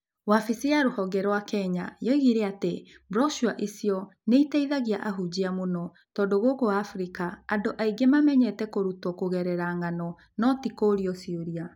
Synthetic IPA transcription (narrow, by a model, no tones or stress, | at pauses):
wafisiaɾohɔɡɛɾwakɛɲajoɣiɾeate | bɾɔʃuaʔisiɔneiteiðaɣiaʔaɦud͡ʑiamonɔ | tɔːdoɣokoaːfɾikaandoʔaiɡemamɛɲɛtɛkoɾutwɔkoɣɛɾɛɾaŋanɔ | nɔtikoɾiɔsioɾia